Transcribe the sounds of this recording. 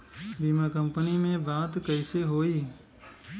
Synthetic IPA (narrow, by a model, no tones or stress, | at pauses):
biːmakə̃mpənimẽbãːt̪kəɪseɦoːiː